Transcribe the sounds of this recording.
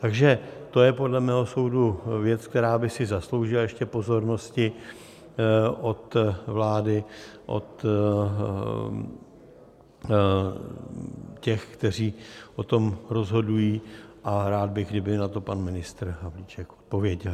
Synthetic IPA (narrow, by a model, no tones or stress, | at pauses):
t̪aɡʒɛt̪ojɛpo̞dlɛmɛːɦo̞so̞wduvjɛt͡sk̚t̪ɛɾaːbɪsɪzaslo̞wʒɪlajɛʃcɛpo̞zo̞ɾno̞scɪ | ʔo̞t̪vlaːdɪʔo̰t̪ | cɛxkt̪ɛr̝iːʔo̞t̪o̞mɾo̞zɦo̞dujiːʔaɾaːd̪̚bɪɣɡdɪbɪnat̪o̞panmɪnɪst̪ɾɦavlit͡ʃɛkʔot̪̚po̞vjɛɟɛl